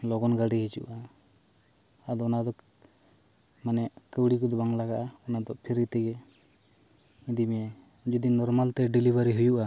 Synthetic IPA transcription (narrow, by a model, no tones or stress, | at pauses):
lɔɡɔnɡaɖiɦit͡ʃṵʔa | d̪ɔɔnad̪ɔ | manɛʔkəwɽikɔd̪ɔbaŋlaɡaʔaɔnad̪ɔʔpʰiɾit̪ɛɡɛ | id̪imɛ | d͡ʒud̪inɔɾmalt̪ɛɖilibaɾiɦujuʔa